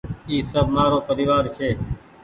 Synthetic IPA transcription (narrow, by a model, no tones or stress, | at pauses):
iːsəbʱmaːɾoːpəɾɪːʋaːɾʃʰeː